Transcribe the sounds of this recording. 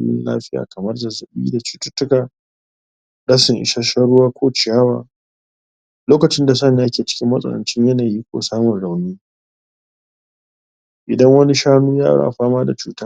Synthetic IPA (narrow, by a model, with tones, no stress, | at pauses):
jɪ̰˦nla̰ː˦ɸɪ˦ja̰ː˨kɐ˨mɐ˦rd͡ʒɐ˨zɐ˨ɓḭː˦da˨t͡ʃu̥ː˦tʊ˦tːʊ˦kaː˨ | dɐ˦sɪ˨ŋʔɪ̰˨ʃa˦ʃa˦ɽʊ˦waː˦kʷoː˦t͡ʃɪ˨jaː˦wa̰ː˨ | loː˦kɐ˨t͡ʃɪ˦nda˨s̬a˦neː˨ja˦kʲeː˨t͡ʃɪ̥˦kʲɪ˦mːɐ˦sʼɐ̰˨lɐ̰˨nt͡ʃɪ˦ɲjɐ˦naː˨jiː˦kʷo̰ː˨saː˦mʊ˨nɽa˨wniː˦ | ʔɪ˨dɐ˦ŋwɐ˦ni˦ʃaː˦nuː˦ja̰ː˦ɽa̰ː˦ʔa˨ɸaː˦maː˦da˨t͡ʃuː˨˦taː˦